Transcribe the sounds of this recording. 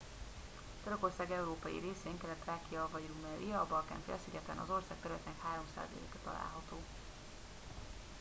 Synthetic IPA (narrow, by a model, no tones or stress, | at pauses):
t̪øɾøko̞rsaːɡɛuɾoːpɒjḭɾeːseːŋkɛlɛt̪ːraːkijɒvɒjiɾumɛɾiɒːbɒlka̰nfɛ̰ɒsiɟɛt̪ɛ̰nɒ̰zo̞rsaːk̚t̪ɛɾylɛt̪eːnɛkhaːɾo̞msa̰ːzɒlḛːkɛt̪ɒ̰la̰ːlɦɒt̪oː